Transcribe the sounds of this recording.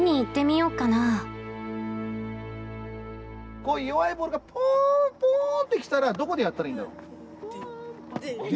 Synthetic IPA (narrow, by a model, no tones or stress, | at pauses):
ɲ̟iːt̪ːe̞mʲijo̞ːkana | koijoβaiboːɾɯ̟ɡapʰõpõːnt̪ːe̞kʲi̥t̪aɾad̪o̞ko̞d̪ejat̪ːaɾaĩnd̪aɾo